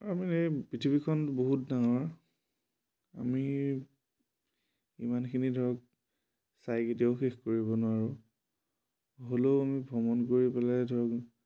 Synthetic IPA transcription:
aaminepɹitʰibikʰɔnboɦutdaŋɔɹ | a̰mi | ḭmankʰinidʱɔɹɔk̚ | sajketiɔʊxexkoɹibɔnʊwaɹʊ | ɦoleamibʱɔmɔnkoɹipɛlajdʱɔɹɔk

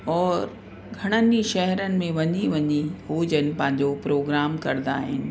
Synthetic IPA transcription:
ɔːɾ | ɡʱɐɽ̃əniʃɛɦɛɾənɪ̆mẽʋɐɲiʋɐɲiɦoːd͡ʑənɪ̆pɐ̃ɦɪ̃ɲ̆d͡ʑopɾoːɡɾaːmkɐɾnd̪a̰ːɦɪ̰nɪ̆

